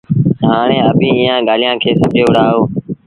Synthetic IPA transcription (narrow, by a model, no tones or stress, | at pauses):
ɦaːɳ̃ẽːəbĩːɪjãːɠaːlɪjãːkʰeːsəd͡ʒeːʊɽaːɦoː